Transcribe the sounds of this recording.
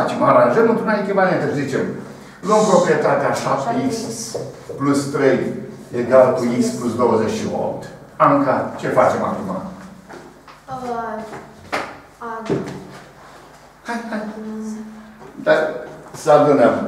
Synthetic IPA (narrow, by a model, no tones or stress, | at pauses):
at͡ʃemaɾãnʒəmɨnt̪ɾunaikʲemaniat̪eszit͡ʃem | lompɾo̞pɾijet̪at̪eaʃap̚t̪eiks | plust̪ɾe̞jeɡalkuiksplusd̪o̞wəzet͡ʃʃio̰p̚t̪ | amkat͡ʃe̞fat͡ʃe̞ma̰kuma̰ | haa | d̪asəad̪unəm